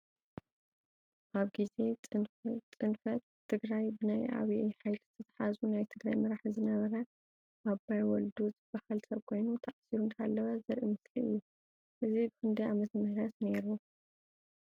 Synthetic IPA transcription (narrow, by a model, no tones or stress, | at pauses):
ʔaβɡize̞ɨt͡sʼɨnfɐt̪ʰːɨɡɾajbɨnajʔa̰βiʔeħajlz̥ɨt̪ʰɐt̪ʰḁħazunajt̪ʰɨɡɾajmɨɾaħzɨnɐβɐɾɐ | ʔabajwɔld̪uzɨb̥ːahalsɐβkʰo̞jnut̪ʰaʕasiɾunt̪ʰɐalːɐβazɐɾʔimɨsliɨjːu | ʔɨzibɨxɨnd̪ɐamɐt̪ʰɐmɨhɾɐt̪ne̞ɾu